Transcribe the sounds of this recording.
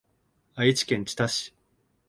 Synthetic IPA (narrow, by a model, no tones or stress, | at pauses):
ait͡ɕi̥kẽ̞ɲ̟t͡ɕi̥t̪aɕi̥